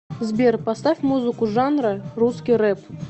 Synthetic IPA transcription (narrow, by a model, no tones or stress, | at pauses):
zbʲerpast̪afʲmuzɨkʊʐanɾəruskʲijrɛp